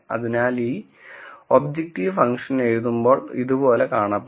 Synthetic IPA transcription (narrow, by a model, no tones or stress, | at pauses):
ɐ̰ðinaːliː | obd͡ʑek̚ʈːiʋfɐŋʂɐnejðumbo̞ːɭḭðupo̞ːle̞kaːɳɐpː